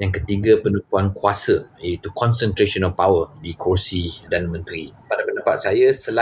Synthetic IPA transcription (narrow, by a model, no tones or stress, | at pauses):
jaŋkət̪iɡapənũpuankuasəjait̪ukɔnsənt̪ɾeʃɔnapawədikʰosidanmə̃nt̪ɾipadapəndəpa̰t̪̚sajasəla